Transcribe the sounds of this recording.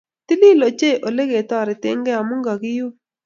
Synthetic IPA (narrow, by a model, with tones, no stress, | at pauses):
t̪i˦li˦lo˨t͡ʃe˦˨ʔo˨le˦ɡe˨t̪ɔ˦˨ɾɪ˨tɪ˦ŋɡɛ˦a˨mu˦ŋɡa˨ɡɪ˦ju˦